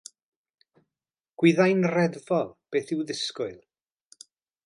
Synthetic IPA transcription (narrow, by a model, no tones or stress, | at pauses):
ɡ̥wɪðajnrɛðvɔlˠb̥eːθɪwðɪskʊɨlˠ